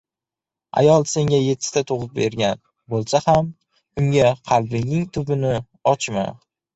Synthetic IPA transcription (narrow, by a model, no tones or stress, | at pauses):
a̰jɒlˠse̞ŋɡʲaje̞t̪ʰːɪ̥t̪at̪ʰoʁɨp̚be̞ɾɡʲan | bolˠsaham | ʊŋɡʲaqʰɑlbɪŋnɪŋt̪ʰʊbɪnɪ | ɒt͡ʃma̰